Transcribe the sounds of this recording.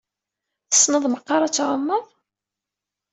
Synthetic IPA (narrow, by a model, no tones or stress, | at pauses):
θəsnəðˤməqːɑɾˤɑt͡sːʁəmːəðˤ